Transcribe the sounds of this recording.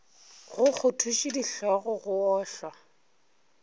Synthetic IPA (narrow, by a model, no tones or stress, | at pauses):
ɣʊk͡xʰʊtʰuʃidiɬɔɣɔɣʊɔːɬwa